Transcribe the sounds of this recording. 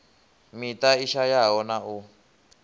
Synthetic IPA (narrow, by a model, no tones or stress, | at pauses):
mitaiʃajaɦɔnau